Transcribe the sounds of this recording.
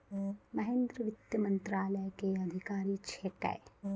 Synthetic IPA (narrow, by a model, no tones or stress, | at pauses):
mɐɦẽːnd̪ɾəʋɪt̪jəmɐ̃nt̪ɾaːləjkeɐd̪ʱɪkaːɾit͡ʃʰeʈɛ̰e